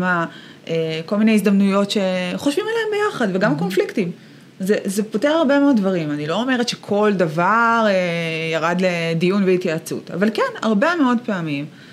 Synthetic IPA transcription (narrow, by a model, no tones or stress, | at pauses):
ma | ʔeko̞lminejizd̪amnujo̞tʃe̞χoʃvimaleembejaχadveɡamko̞nfliktim | zezepo̞teʁhaʁbemeo̞d̚ːvaʁimanilo̞ome̞ʁetʃekʰo̞ldavaʁejaʁadledijunveitjaːt͡sṵta̰valkenha̰ʁbe̞meo̞dpeamim